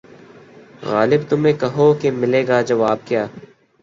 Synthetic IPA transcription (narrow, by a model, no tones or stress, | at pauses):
ɣaːlɪbt̪ʊmẽːkɐɦoːkemɪleːɡaːd͡ʒɐʋaːbkjaː